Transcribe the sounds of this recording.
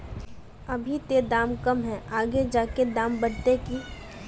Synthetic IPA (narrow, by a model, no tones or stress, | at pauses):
ɐbʱit̪ed̪aːmkɐmɦɛʔaːɡed͡ʒaːked̪ãːmbɐɽt̪eki